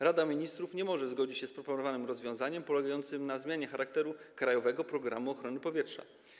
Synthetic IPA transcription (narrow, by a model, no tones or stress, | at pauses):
ɾad̪amʲiɲist̪ɾufɲɛmɔʐɛzɡɔd͡ʑit͡ɕɕɛspɾɔpɔnɔvanɘmɾɔzvʲjɔ̃w̃zaɲɛmpɔlɛɡajɔnt̪sɘmnazmʲjaɲɛxaɾak̚t̪ɛɾukɾajɔvɛɡɔpɾɔɡɾa̰muɔxɾɔnɘpɔvʲjɛtʂa̰